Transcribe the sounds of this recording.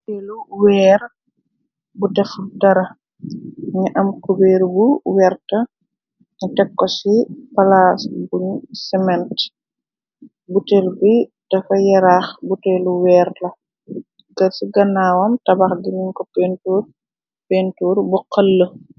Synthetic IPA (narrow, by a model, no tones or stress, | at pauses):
eluwɛːr | budɛfdɐɾɐ | ɲiʔɐmkubɛːɾbuwɛrtɐ | utɛkːɔsipɐlaːsbuɲsɛmɛnt | butɛlbidɛfɐjɛɾaːxbutɛːluwɛːrlɐ | kɐsiɡɐnːaːwɐmtɐbɐxdiniɲkɔpɛntuːr | pentuːɾbuqɐlːə